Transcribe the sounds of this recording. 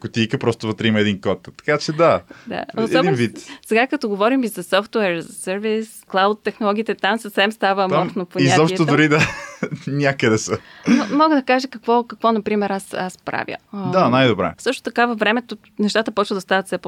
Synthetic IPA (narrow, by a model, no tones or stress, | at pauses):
kʊt̪ijkəpɾɔst̪ʊvət̪ɾɛiməɛd̪inkɔt̪t̪ɐ̥kat͡ʃɛd̪ad̪a̰osɛɔdɛnvit̪sɛɡakət̪ɔɡovɔɾimizɐsɔft̪uɛɾzɐsəɾvisklˠawt̪ːɛxnolˠɔɡʲiːt̪ɛt̪amsəfsɛmst̪avəːmɔt̪nopoɲiazɔpʃt̪od̪ʊɾid̪a | nʲakəd̪ɛsənomɔɡəd̪ɐkaʒəkɐkvɔkɐkvɔnɐpɾimɛɾasa̰spɾa̰vjə̰d̪anajd̪obɾɛ̰sɤʃt̪o̥t̪ɐkavəvɾɛmɛt̪o | nɛʃt̪at̪əpɔt͡ʃvəld̪ɐst̪avɐt̪sɛp